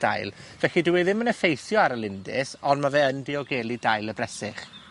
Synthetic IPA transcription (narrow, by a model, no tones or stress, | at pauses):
a̰jlˠvɛɬidɪwɪðɪmənəfejθjɔaɾəlˠɪndɪ̰sɔnmavɛəndiɔɡɛːlˠidajlˠəbrɛsɪ̰χ